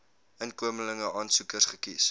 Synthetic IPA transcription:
ənkuəmələŋəʔɑːnsukərsχəkis

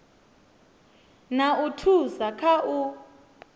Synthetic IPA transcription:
nautʰuzakʰaʔu

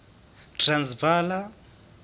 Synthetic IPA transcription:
tʰransvaːla

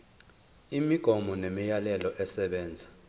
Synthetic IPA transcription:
imiɡ̥ʱɔmɔnemijalɛlɔʔɛsɛɓɛːnd͡zʱḁ

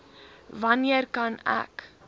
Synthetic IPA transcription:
vɐniərkɐnæ̰k

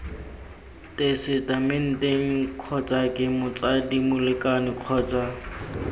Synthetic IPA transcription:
tʼesɪtamɪn̩teŋ̩kʰɔt͡sʼakʼɪmʊt͡sadimʊlɪkʼanɪq͡χʰɔːt͡sʼa

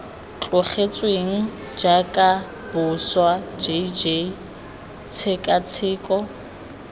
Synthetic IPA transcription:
t͡ɬʼʊχet͡sʼweŋ̩ | d͡ʒakʼa | bʊswad͡ʒed͡ʒe | t͡sʰɪkʼat͡sʰɪːkʼɔ

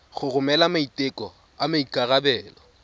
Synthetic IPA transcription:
χʊrʊmɛlamaitʼɪkʼɔ | amaikʼarabɛːlɔ

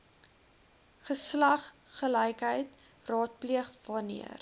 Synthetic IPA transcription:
χəslɐχːəlɛjkɦəjt | rɑːt̚pliəχvɑnḭər

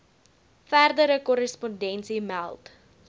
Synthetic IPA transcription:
færdəɾəkɔɾəspɔndɛnsimælˠt

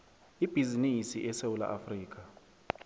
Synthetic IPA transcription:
ib̥ʱizinisiʔɛsewula̰ʔafriːk̬ʼa

